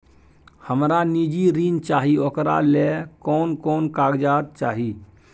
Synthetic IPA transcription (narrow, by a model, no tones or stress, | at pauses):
həmɾanid͡ʒiɾiːnt͡ʃaːɦiokɾa̰lekɔːnkɔːnkaːɡd͡ʒaːt̪̚t͡ʃaːɦi